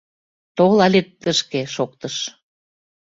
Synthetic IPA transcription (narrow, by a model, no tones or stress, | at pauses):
t̪olɑlʲet̪ːəʃkeʃok̚t̪ɤʃ